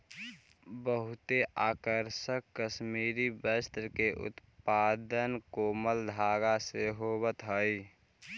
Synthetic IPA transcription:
bəɦʊt̪eʔaːkəɾʃəkːəʃmiɾibəst̪ɾəkeʔʊ̰t̪paːd̪ənkoːməld̪ʱaːɡaseɦoβət̪ɦəɪ

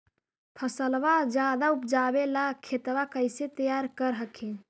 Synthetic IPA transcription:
pʰəsəlʋad͡ʒjad̪aupd͡ʒabelakʰet̪ʋakəɪset̪əjaɾkəɾɦəkʰẽ

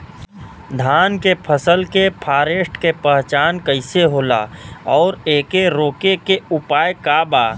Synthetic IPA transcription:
d̪ʱaːnkepʰəsəlkepʰaːɾeːsʈkepəɦt͡ʃaːnkəɪseɦoːla̰ːɔːɾeːkeɾoːkekeʊpaːjkaːbaː

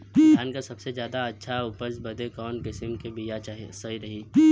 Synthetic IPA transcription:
dʱjaːnkasɐbsezjaːd̪aɐtːʃʰaʊpəɾsbɐd̪ʱekɔːnkɪsəmkebijat͡ʃaːɦsɐɦiɾɐɦiː

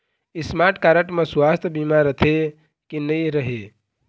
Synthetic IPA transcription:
ismaʈkaːɾəʈmẽsʊwast̪ʰbimaɾət̪ʰe | kinəiɾəɦe

